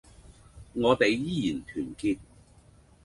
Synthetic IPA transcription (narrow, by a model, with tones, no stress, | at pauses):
ŋɔː˨˧t̪e˨jjiː˥jiː˨˩nt̪ʰyː˨˩nkiː˧t̚